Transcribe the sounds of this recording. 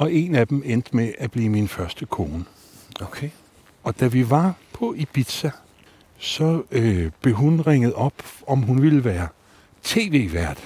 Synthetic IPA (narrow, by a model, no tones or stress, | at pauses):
ɒ̽e̝næd̥emend̥əmeʔæb̥liːminfɶɐsd̥əkʰo̝ːnə | ɒ̽d̥æʋiʋɑ̈pʰɒ̽ʔib̥id̥sæ | sɒ̽øb̥le̝ɦunʁeŋ̰əð̞̩ˠɒ̽b̥ɒ̽mɦunʋiləʋæːɐ | t͡sʰe̝̰ːʋe̝̰ːʋæɐ̰d̥